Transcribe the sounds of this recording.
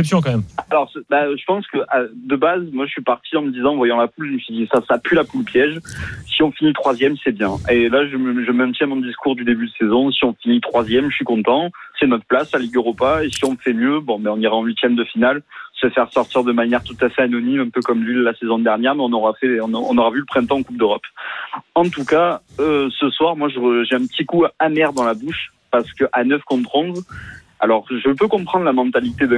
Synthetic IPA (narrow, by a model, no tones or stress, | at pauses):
ɛpsjɔ̃kɑ̃mɛmalɔʁsbaʒəpɑ̃skəʔad̪əbazmwaʒəsɥipaʁt̪ʰiɑ̃məd̪izɑ̃vwajɑ̃lapulʒəməsɥid̪isasapylapulpʰjɛʒsiɔ̃finit̪χwazjɛmsɛbjɛ̃elaʒəməʒəmɛ̃t̪jɛ̃mɔ̃d̪iskuʁd̪yd̪ebyd̪əsezɔ̃siɔ̃finit̪χwazjɛmʒə̥sɥikɔ̃t̪ɑ̃sɛnɔt̪χplasaliɡəʁupaesiɔ̃məfɛmjøbɔ̃bɛɔ̃niʁaɑ̃ɥit̪jɛmd̪əfinalsəfɛʁsɔʁt̪iʁd̪əmanjɛʁt̪ut̪afɛanɔnimɛ̃pøkɔmlillasezɔ̃d̪ɛʁnjɛʁmɛɔ̃nɔʁafɛɔ̃nɔ̰̃nɔʁavyləpχɛ̃t̪ɑ̃ːkup̚d̪øʁɔp | ɑ̃t̪ukaøsəswaʁmwaʒəəʒeɛ̃pət̪ikuamɛʁd̪ɑ̃labuʃ | paʁsə̥kəʔanœfkɔ̃t̪χɔ̃z | alɔʁʒəpøkɔ̃pχɑ̃d̪ʁlamɑ̃t̪alit̪ed̪ɛ̃